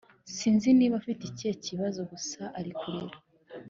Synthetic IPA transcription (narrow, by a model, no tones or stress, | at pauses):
siːnziniːβafitice̞ciβazo̞ɡusaʔaɾikuɾeɾa